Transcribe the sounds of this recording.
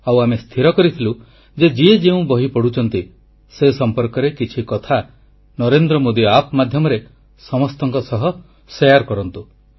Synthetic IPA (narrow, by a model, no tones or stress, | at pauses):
awamest̪ʰiɾɔkɔɾit̪ʰilu | d͡ʒed͡ʒied͡ʒeũbɔɦipɔɽ̤ut͡ʃʰɔnt̪i | sesɔmpɔɾkɔɾekit͡ʃʰikɔt̪ʰa | nɔɾend̪ɾɔmod̪iapmad̪ʱjɔmɔɾe | sɔmɔst̪ɔŋkɔsɔɦɔ | sejaɾkɔɾɔnt̪u